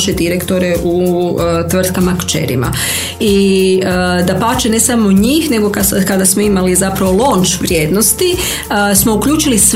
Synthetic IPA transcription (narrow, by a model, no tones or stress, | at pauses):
ʃe̞d̪iɾe̞kt̪o̞ɾeʔut̪ʋr̩t̪kamakt͡ʃe̞̰ɾḭma̰ | iəd̪apaːt͡ʃene̞samoɲiːxne̞ɡo̞kakad̪asmo̞imalizapɾaʋo̞lˠoːnt͡ʃʋɾjeːd̪no̞st̪i | smo̞ukʎuːt͡ʃilis